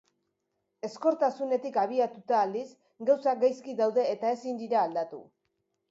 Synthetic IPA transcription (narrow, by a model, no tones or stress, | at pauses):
e̞sko̞ɾt̪asune̞t̪ikaβ̞iat̪ut̪aːld̪is | ɡawsaɡajskiðawðe̞ːt̪ae̞sind̪iɾaːld̪at̪ṵ